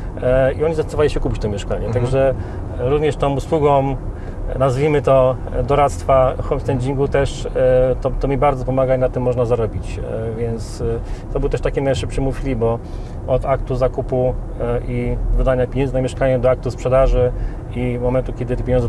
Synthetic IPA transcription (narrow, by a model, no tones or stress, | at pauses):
iɔɲizast̪ɔvaliɕɛkupʲit͡ɕt̪ɔmʲjɛʂkaɲɛt̪aɡʐɛ | ɾuvɲɛʂt̪ɔmuswuɡɔ̃m | nazvʲimɘt̪ɔ | d̪ɔɾat̪st̪faxɔmst̪ɛɲd͡ʑiŋɡut̪ɛʂt̪ɔt̪ɔmʲibaɾd̪zɔpɔmaɡanat̪ːɘmːɔʐnazaɾɔbʲit͡ɕvʲjɛnt̪st̪ɔbɘwt̪ɛʂt̪akʲimnajʂɘpʂɘmufʲlʲibɔ | ɔd̪akt̪uzakupu | ivɘd̪aɲapʲeɲɛnznamʲɛʂkaɲɛd̪ɔak̚t̪uspʂɛd̪aʐɘ | imɔmɛnt̪ukʲɛd̪ɘt̪ɛpʲjeɲɔ̃nz